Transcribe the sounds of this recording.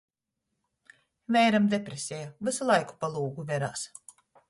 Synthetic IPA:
vɛjɾamd̪epɾesʲejavɨsulˠajku̥palˠuːɡuvʲɛɾa̰ːs

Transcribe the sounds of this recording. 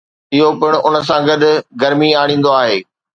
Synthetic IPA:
ɪɦopɪɽ̃ʊnə̆s̬ãɡɐd̪ɡɐɾmiaːɽ̃ĩːn̆d̪oaːɦeː

